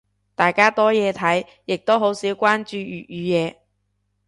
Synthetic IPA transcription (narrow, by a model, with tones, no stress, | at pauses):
t̪aː˨jkaː˥t̪ɔː˥jɛː˨˧t̪ʰɐ˨˥j | jɪ˨k̚t̪o˥wɦo˨˥wsiː˨˥wkʷaː˥nt͡ʃyː˧jyː˨˩t̚yː˨˧jɛː˨˧